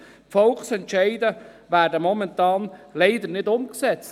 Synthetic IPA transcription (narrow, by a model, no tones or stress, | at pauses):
fɔlksɛntʃɛɪdə | væːɾdəmɔmɛntɑːnlɛɪd̪ənɪdʊmksɛt͡s